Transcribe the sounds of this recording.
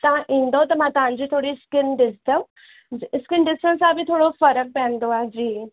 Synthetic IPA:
t̪ɐɦãʔĩːn̆d̪ot̪ɐmãt̪ɐɦãɲd͡ʑiːt̪ʰoːɽiskɪnɖɪsʈ̪ə | skɪnɖɪsʈənsãbʱit̪ʰoːɽofɐɾək̚pɛ̃ːnd̪oaːd͡ʑiː

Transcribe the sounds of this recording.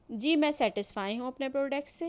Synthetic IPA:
d͡ʒiːmɛ̃ːsɛːʈɪsfaːiɦũɐpnepɾoːɖɛk̚ʈse

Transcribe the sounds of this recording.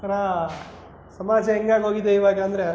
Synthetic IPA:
ɐɾaː | sɐmaːd͡ʒɐɛŋɡaːnoːɡid̪eːiʋaːɡɐɐnd̪ɐɾe

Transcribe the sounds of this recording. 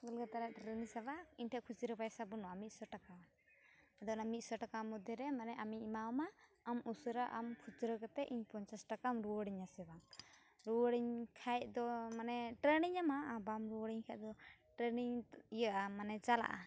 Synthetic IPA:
ɡɔlɡat̪aɾɛʔʈɾɛnisɛbaiɲʈʰɛʔkʰut͡ʃɾəpajsabɔnɔamit̪̚sɔʈaka | ad̪ɔnamit̪̚ˀsɔʈakamɔd̪jɔɾɛmanɛʔamimaɔmaːmusɾaʔamkʰut͡ʃɾəkɔt̪ɛʔiɲpɔɲt͡ʃasʈakamɾuwɔɽiɲasɛba | ɾuwəɽiɲkʰajt̚d̪ɔmanɛʈɾɛniɲamaʔabamɾuwəɽiɲkʰajʔ̚d̪ɔʈɾɛniɲijəʔamanɛt͡ʃala̰ʔa̰

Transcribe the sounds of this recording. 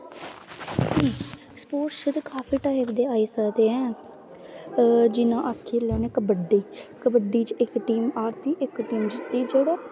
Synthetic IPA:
iː | spoːʈʃəd̪kaːpʰiːʈaːɪbd̪eːaːiːsəkd̪eːɛ̃ː | d͡ʒɪnãːʔəskʰiːɾlɛːnẽːkəbəɖiːkəbəɖiːt͡ʃɪkʈiːmaːɾt̪iːʔɪkʈiːmd͡ʒt̪iːd͡ʒeːɽoː

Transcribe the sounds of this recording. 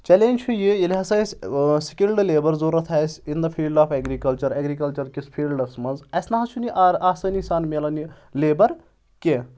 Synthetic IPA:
t͡ʃɐleːnʲt͡ʃʰujijelʲiɦɐsɐsʲsi̥kʲilɖleːbɐɾzoːɾɐt̪ʰɐːsʲind̪ɐfʰiːlɖaːfʰeɡɾikɐlt͡ʃɐɾɐːɡɾikɐlt͡ʃɐɾkispʰiːlɖɐsmɐnzɐsnɐɦɐt͡ʃʰuniʔaːsɐnisaːnmelɐni | leːbɐɾ | ke

